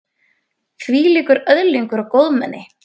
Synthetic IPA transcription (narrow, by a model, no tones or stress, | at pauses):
θviːliːkʏɾœðliŋkʏɾawkowðmɛ̰nːɪ